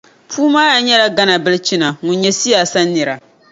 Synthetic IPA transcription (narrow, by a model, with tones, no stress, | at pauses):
pʰuː˦maː˦ja˨ɲɛ˦la˨ɡa˦na˨bɨ˦lt͡ʃi˦na˨ŋʊ˨ɲɲɛ˦si˦jaː˨sa˦nːɨ˨ɾa˨